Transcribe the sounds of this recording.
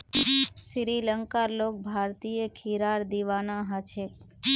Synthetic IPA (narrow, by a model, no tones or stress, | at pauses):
ʃiɾiləŋkaɾlok̚bʱaɾt̪ijekʰiɾaɾd̪iʋanaɦat͡ʃʰek